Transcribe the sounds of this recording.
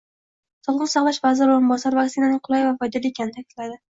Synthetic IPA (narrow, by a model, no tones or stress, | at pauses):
sɒlˠʁɨnsɑʁlˠaʃvazɪɾoɾɪmbɒsaɾvaksɪnanɪŋqʰʊlˠajvafɒjd̪ɒɾiekʰʲanɪt̪ʰakʲɪt̪lad̪ɪ